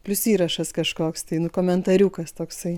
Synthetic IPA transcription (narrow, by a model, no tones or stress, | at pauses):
pʲlʲʊsiːɾɐʃɐskɐʃkoːkst̪ɐɪnʊkoːmʲɛnt̪ɐɾʲuːkɐst̪oːksɐɪ